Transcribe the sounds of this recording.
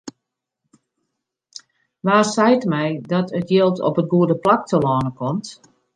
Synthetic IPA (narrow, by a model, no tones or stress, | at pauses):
ʋaːrsɛjtmɛjdɔtʰətjelˠtʰɔ̰pətɡuədəplak̚tʰəlɔːnəkʰɔmt